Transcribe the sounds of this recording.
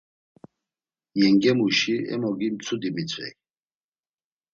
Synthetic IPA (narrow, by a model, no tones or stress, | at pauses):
jɛŋɡɛmuʃiɛ̰mɔɡimt͡sʰud̪imit͡sʼɛ̰k